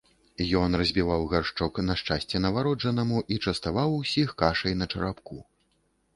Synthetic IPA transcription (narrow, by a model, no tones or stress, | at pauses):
jɔnrɐzʲbʲivawɣarʂt͡ʂɔknɐʂt͡ʂasʲt͡sʲɛnɐvaɾɔd͡ʐɐnɐmuʔit͡ʂɐst̪avawusʲixkaʂɐjnɐt͡ʂɐɾapku